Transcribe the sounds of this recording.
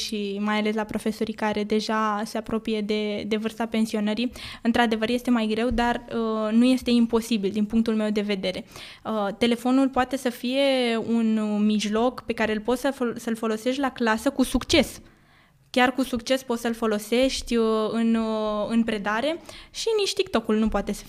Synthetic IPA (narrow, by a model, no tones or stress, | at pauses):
ʃimajale̞s̬lapɾo̞fe̞so̞ɾikaɾe̞d̪e̞ʒase̞apɾo̞pije̞d̪e̞d̪e̞vɨrst̪ape̞nsio̞nəɾiɨnt̪ɾad̪e̞vəɾjest̪e̞majɡɾe̞wd̪arənuje̞st̪e̞impo̞sibild̪inpuŋkt̪ulme̞wd̪e̞ve̞d̪e̞ɾe̞ | ət̪e̞le̞fo̞nulpoat̪e̞səfije̞unmiʒlo̞kpe̞kaɾe̞ɨlpot̪səsəlfo̞lo̞se̞ʃt̪ʲlaklasəkusukt͡ʃe̞s | kʲarkusukt͡ʃe̞spo̞t̪səlfo̞lo̞se̞ʃt̪ʲɨnɨnpɾe̞d̪aɾe̞ʃinit͡ʃʲt̪ikt̪o̞kulnupowat̪e̞sə̥